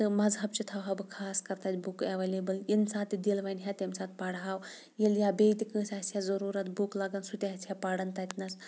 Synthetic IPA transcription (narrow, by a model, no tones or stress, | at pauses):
t̪ɨmɐzɦɐbt͡ʃit̪ʰɐwɦɐbɨkʰaːskɐɾt̪ɐːt̪ʲbukeʋeleːbɐlinsaːt̪id̪ilʋɐnɦʲat̪ʲemsaːt̪̚pɐɽɦaːw | jeljaːbeːt̪ikɨ̃ːsʲaːsjazɐɾuːɾɐt̪̚buklɐɡɐnsut̪ʲaɦɐtʰhapɐɽɐnt̪ɐːt̪ʲnɐs